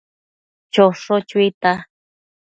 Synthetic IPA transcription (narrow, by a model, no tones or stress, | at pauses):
t͡ʃoʂot͡ʃit̪a